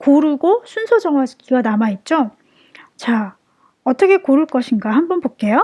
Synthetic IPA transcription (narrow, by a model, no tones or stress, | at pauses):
koɾuɡosʰunsʰod͡ʑʌŋwat͡ɕuanamait̚t͡ɕ͈o | t͡ɕa | ʌt͈ʌkʰe̞koɾuɭk͈ʌɕʰinɡaɦanbʌnpok͈e̞jo